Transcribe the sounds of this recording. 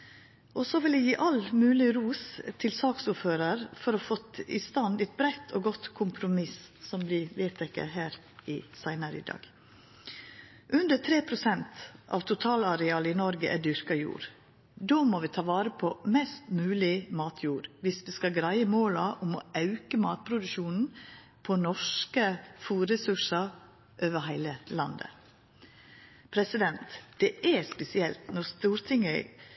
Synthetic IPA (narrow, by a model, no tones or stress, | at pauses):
ʔɔsɔʋɪlɪjiːʔɑlmʉːlɪɾuːst̪ʰɪlsɑːksuføːɾɑɾfɔɾɔfɔt̪ɪ̰st̪ɑnd̪ɛɪt̪̚bɾæt̪ʰoːɡɔt̪kʰʊmpʰɾʊmɪssɔmblɪʋeːt̪ʰɛkːə̰ɦæːɾ | ɪsæɪnəɾəɪ̰d̪ɑ̰ːɡ̥ | ʔʉnd̪ət̪ʰɾeːpʰɾʊsɛnt̪ʔɑ̰ʋt̪ʰʊt̪ʰɑːlɑɾɛɑːləɪnɔɾɡəʔæɖʏɾkɑjṵːɾ | d̪oːmoːʋɪːt̪ʰɑːʋɑːɾəpʰɔmɛst̪mʉːlɪmɑːt̪ʰjuːɾʋɪsʋiːskɑɡɾæɪəmoːlɑʔʊmɔ̰ɑʉkəmɑ̰ːt̪̚pʰɾʊd̪ʉʃuːnn̩ | pʰɔnɔʂkəfuːɾɛsʉʂɑ | ʔøːʋəɦæɪləlɑnd̪ə̰ | pʰɾɛsɪd̪ɛnt̪d̪̥ɛʔæspɛsɪɛlt̪nɔɾst̪uːɾt̪ʰɪŋə